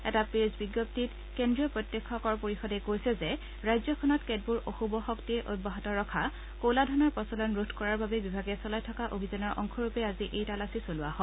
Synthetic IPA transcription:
ɛtapezbiɡɔp̚tit | kendɹiɔpɹɔtjɛkʰːɔkɔɹpoɹixɔdɛkojsɛzɛ | ɹajzɔkʰɔnɔtked̚buɹʔoxubɔxɔktiɛʔoj̚bɔɦɔtɔɹɔkʰa | koladʱɔnɔɹpɔsɔlɔnɹudʰʱkɔɹaɹbabɛbibʱaɡɛsɔlajtʰɔkaʔobʱizanɔɹʔɔ̰ŋkʰɔɹupɛaziʔejtalasisolʊaɦɔ

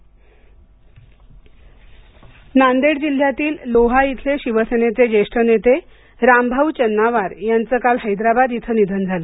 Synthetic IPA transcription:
nand̪eɽd͡ʑil̤ːjat̪iːlːoɦait̪ʰleɕiʋəsenet͡sed͡ʑeʂʈənet̪e | ɾambʱawt͡ɕənːaʋaɾjant͡səkalɦəjd̪ɾabad̪it̪ʰənid̪ʱənd͡zʱalə

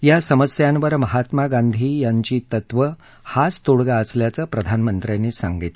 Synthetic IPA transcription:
jasəməsjanʋəɾməɦat̪maɡand̪ʱiːjaɲt͡ɕiːt̪ət̪ʋə | hat͡st̪oɽɡaəsljat͡səːpɾəd̪ʱanmənt̪ɾjanesa̰ŋɡit̪

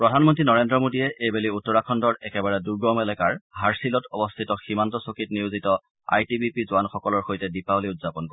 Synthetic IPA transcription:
pɹɔdʱanmɔntɹinɔɹendɹɔmodiɛʔejbeliutːɔɹakʰɔndɔɹɛkɛbaɹɛduɹɡɔmɛlɛkaɹɦaɹsilɔtɔbɔstʰitɔximantɔsokitniuzitɔ | a̰jtibipizʊanxɔkɔlɔɹxojtɛdipaboliʊtz̥apɔnko

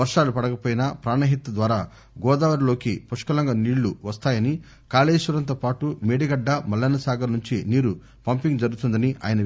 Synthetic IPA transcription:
ɐɾʂaːlupɐɽɐkɐpoːjinɐpɾaːɳɐɦit̪ːɐd̪ʋaːɾaː | ɡɔːd̪aːʋɐɾlo̞ːkipɐʂkɐlɐŋɡaniːɭːuʋɐst̪aːjɐni | kaːleːʂuɾɐnt̪̬oːpaːʈumeːɽiɡɐɖːɐmɐlːɐnɐsaːɡɐnuɲt͡ʃiniːɾu | pɐmpiŋd͡ʒɐɾɡut̪und̪ɐniʔaːjɐnɐ

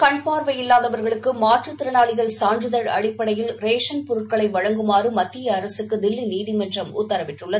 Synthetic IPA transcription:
kɐɳpaːɾʋɐjɪlːaːðɐʋɐɾɣɐɭɯkːɯmaːʈrɯt̪ːɪɾɐnaːɭɪɣɐɭsaːndrɯðɐɾɐ̰ɽɪpːɐɽɐjɪlɾeːʂɐnpɔɾɯʈ̚kɐɭɐɪʋɐɻɐŋɡɯmaːrɯmɐt̪ːɪjɐːɾɐsɯkːɯd̪ɪlːiniːðɪmɛndrɐmʊ̰t̪ːɐɾɐʋɪʈːrɯɭːɐðɯ

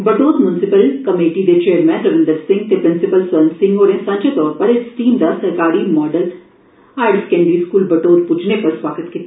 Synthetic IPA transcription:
bɐʈoːt̪mjʊnɪsɪpəlkɐmeːʈid̪et͡ʃeːəɾmɛ̃nɾɐʋɪ̃nd̪əɾsɪ̃ŋɡt̪epɾɪ̃nsɪpəlsʋɐnsɪ̃ŋɡoːɾẽsɐ̃ɲd͡ʒet̪ɔːɾpɐɾesʈiːmd̪asɐɾkaːɾimɔːɖəlʈ | aːɪɾskẽːɳɖiskuːlbɐʈoːd̪pʊt͡ʃʰnepɐɾswaːɡət̪kit̪a

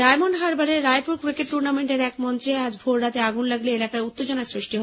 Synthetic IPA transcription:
ajmonɦaɾbaɾeɾːajpuɾkɾikeʈʈuɾnameɳʈeɾɛk̚mɔnt͡ɕead͡ʑbʱoɾɾat̪eaɡunlaɡleelakaeut̪ːed͡ʑonasɾiʃʈiɦɔ

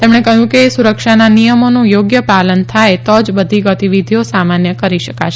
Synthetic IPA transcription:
t̪emɳ̃ekəɦjũkesuɾəkʃananijəmonũjoɡjəpalənt̪ʰajt̪ɔd͡ʒbəd̪ʱiɡət̪iʋid̪ʱijosamanjəkəɾiʃəkat͡ʃʰ

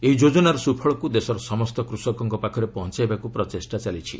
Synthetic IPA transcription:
eɦid͡ʒod͡ʒɔnaɾɔsupʰɔɭɔkud̪esɔɾɔsɔmɔst̪ɔkɾusɔkɔŋkɔpakʰɔɾepɔɦɔnt͡ʃaebakupɾɔt̪esʈat͡ʃalit͡ʃʰi

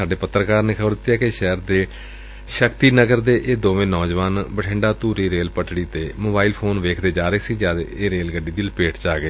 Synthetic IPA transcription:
aːɖeːpət̪ːɾəkaːɾneːkʰəbəɾd̪ɪt̪ːjaːkeʃɛːɾd̪eː | ʃəkt̪iːnəɡəɾd̪eːʔeːd̪oːʋẽːnɔːd͡ʒʋaːnbəʈʰɪ̃ɳɖaːt̪uːɾiːɾeːlpəʈɽiːt̪eːmoːbaːiːlpʰoːnʋeːkʰd̪eːd͡ʒaːɾeːsiːd͡ʒaːd̪eːɾeːlɡəɖiːd̪iːləpeːʈt͡ʃaːɡeː

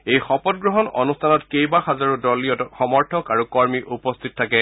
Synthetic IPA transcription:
ejxɔpɔt̚ɡɹɔɦɔnɔ̰nustʰanɔtkejbaxazaɹudɔliɔtɔxɔmɔɹtʰɔkaɹukɔɹmiʔupɔstʰitɔtʰakɛ

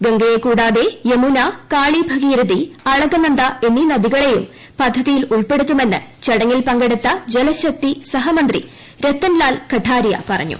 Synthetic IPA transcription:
ɡɐŋɡɐjekuːɽaːðe̞jemunɐkaːɭibʱɐɣiːɾɐðiɐɻɐɡɐnɐnd̪ɐe̞nːinɐðiɣɐɭe̞jum | pɐd̪ʱːɐðijiluɭpe̞ɽut̪ːume̞nːɨt͡ɕɐɽɐŋːilpɐŋɡeɽut̪ːɐd͡ʑelɐɕɐk̚t̪isɐɦɐmɐnd̪rḭ | ɾe̞t̪ːɐnlaːlkɐʈʰaːɾjɐ̰pɐrɐ̰ɲːṵ

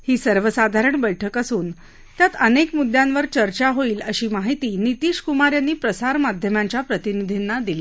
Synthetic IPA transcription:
hiːsəɾʋəsad̪ʱaɾəɳbəjʈʰəkəsuːn | t̪jat̪ənekmud̪jãnʋəɾt͡ɕəɾt͡ɕaɦoiːləɕiːmaɦit̪iːnit̪iːɕkumaɾjanːiːpɾəsaɾmad̪ʱjəmaɲt͡ɕjapɾət̪inid̪ʱinːad̪ili

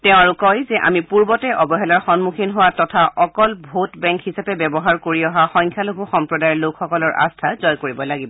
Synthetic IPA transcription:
tɛʊ̃aɹukɔjzɛʔa̰mipuɹbɔtɛʔɔbɔɦɛlaɹxɔnmukʰinɦowatɔtʰaʔɔkɔlbʱotbɛ̃ŋkhisapɛbɛbɔɦaɹkoɹiɔɦaxɔŋkʰjalokuxɔmpɹɔdajɛlokʰxɔkɔlɔɹa̰stʰazɔjkoɹibɔlaɡibɔ

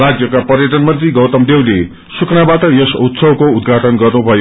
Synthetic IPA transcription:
rad͡zjʌkapʌrjʌʈʌnmʌnt̪riɡʌwt̪ʌmd̪ewle | sukʰnabaʈʌjʌsut̪sʌbkoud̪̚ɡʱaʈʌnɡʌrnubʱʌjo

